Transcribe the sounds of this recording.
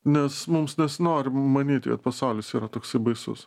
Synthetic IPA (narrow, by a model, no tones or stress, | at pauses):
nʲɛsmʊmsnʲɛsnoːɾʲɪmɐnʲiːt̪ʲkɐ̰t̪̚pɐsɐʊlʲɪsiːɾɐt̪oːksɐɪbɐɪsʊ̰s